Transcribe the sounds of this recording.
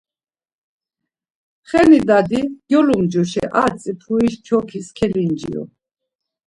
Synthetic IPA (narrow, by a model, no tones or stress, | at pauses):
χɛnid̪ad̪iɡjɔlumd͡ʒɔʃɛʔat͡sʼipʰuiʃt͡ʃʰɔkʰiskʰɛlind͡ʒḭɔ̰